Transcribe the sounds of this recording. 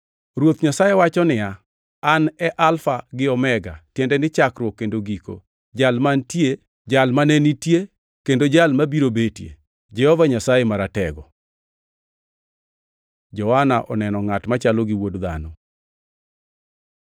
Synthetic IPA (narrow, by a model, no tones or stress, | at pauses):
ɾwot̪ɲasajewat͡ʃɔnɪja | anɛʔalfaɡɪɔmɛɡa̰tjɛndɛnɪt͡ʃakɾwɔkːendoɡiko̰ | d͡ʒalmantje | d͡ʒalmanɛnitje | kendod͡ʒalmabiɾobetjḛ | d͡ʒɛhɔvaɲasajemaɾatɛɡɔ | d͡ʒɔwanaʔɔnɛnɔŋatmat͡ʃalɔɡɪwodd̪a̰nɔ